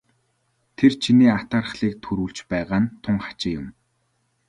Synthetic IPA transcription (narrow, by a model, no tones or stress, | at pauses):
t̪ʰert͡ɕʰiniːat̪aːrə̆χɮiːk̚t̪ʰɵɾuːɮt͡ɕpæːʁaːnt̪ʰʊŋχḁt͡ɕɪ̆jʊm